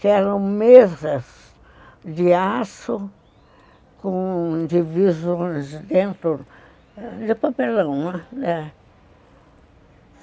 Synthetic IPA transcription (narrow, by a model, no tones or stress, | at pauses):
kɪɛɾɐ̃w̃mezɐs | d̪ɪasʊ | kõd͡ʒ̪ivizõjsd̪ẽnt̪ɾʊ | d̪ɪpapelɐ̃w̃ɛ